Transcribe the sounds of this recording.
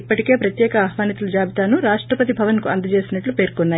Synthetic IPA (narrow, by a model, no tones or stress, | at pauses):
pːɐʈike̞ːpɾɐt̪jɛːkɐaːɦʋaːnit̪ulud͡ʒaːbʱit̪aːnuɾaːʂʈɾɐpɐt̪ibʱɐʋɐnkuɐnd̪ɐt͡ʃe̞ːsinɐʈlupe̞ːɾkɔnːaː